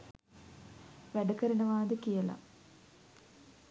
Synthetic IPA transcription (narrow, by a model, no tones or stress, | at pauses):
ʋæɖəkəɾinəʋaːd̪əkijəla̰